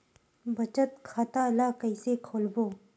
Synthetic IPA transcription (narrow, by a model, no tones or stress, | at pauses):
bɐt͡ʃət̪kʰaːt̪alaːkəɪsekʰoːlboː